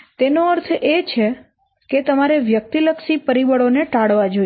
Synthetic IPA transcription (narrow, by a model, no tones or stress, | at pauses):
t̪enoəɾt̪ʰet͡ʃʰe | ket̪əmaɾeʋjək̚t̪iləkʃipəɾiʋəɭoneʈaɽʋad͡ʒo